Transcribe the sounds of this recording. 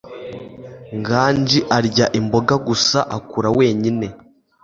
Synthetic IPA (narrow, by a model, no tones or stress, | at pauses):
ŋɡaːnd͡ʒiʔaɾɟaʔimbo̞ɡaɡusaʔakuɾawe̞ːɲine̞